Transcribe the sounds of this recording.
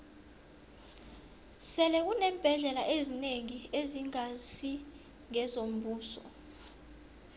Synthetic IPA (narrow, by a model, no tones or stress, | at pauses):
sɛlɛk̬unɛːmb̥ʱɛɮɛlaʔezineŋieziŋasi | ŋɛzom̩buːsɔ̰